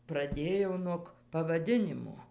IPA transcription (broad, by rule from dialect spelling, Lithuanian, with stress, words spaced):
prɐˈdʲeːjoː nuɔk pɐʋɐˈdʲɪnʲɪmoː